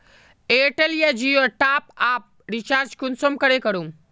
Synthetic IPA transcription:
eːʈelijad͡ʒioʈaːpaːp̚ɾit͡ʃaːɾd͡ʒkunsomkɐɾekɐɾũm

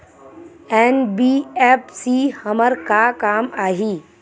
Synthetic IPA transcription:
ɛːnbiɛːpsihəməɾkakaːmaːɦiː

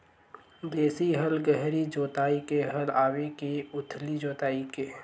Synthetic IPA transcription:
d̪eːsiɦəlɡəɦɾid͡ʒoːt̪aːikeɦəlaːwekeʊt̪ʰlid͡ʒoːt̪aːike

